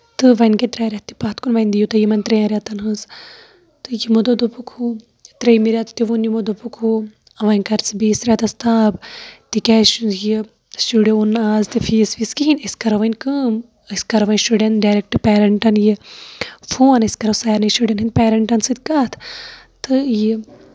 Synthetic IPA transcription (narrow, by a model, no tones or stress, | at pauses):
t̪ɨʋɐnket̪ɾaːɾʲɐt̪̚t̪ːi̥paːt̪ʰkunʋɐnʲd̪ijut̪ɐjimɐnʲt̪ɾemiɾʲɐt̪ɐnɦɨs | t̪ɨjimod̪od̪opukʰu | t̪ɾejmiɾʲjat̪ʰt̪iʋunjimod̪opukʰu | ɐʋɐnʲkɐɾt͡sbiːsɾʲɐt̪ɐst̪aːbt̪ikʲɛːji | suɖjounːaːzt̪ifʰiːsʋiskiɦinʲiskɐɾɐʋɐnʲkɨːm | ɐskɐɾɐʋɐnsuɖenɖaːɾek̚ʈɨpeːɾɐɳʈɐnji | foːnɐskɐɾɐwsajɾnɐʃuɖʲenɦinpeːɾɐɳʈɐnsɨd̪kat̪ʰ | t̪ɨji